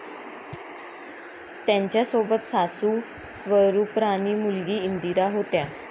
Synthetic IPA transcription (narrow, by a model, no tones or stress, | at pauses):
t̪jaɲt͡ɕjasobət̪sasuː | sʋəɾupɾaniːmulɡiːind̪iɾaɦot̪ja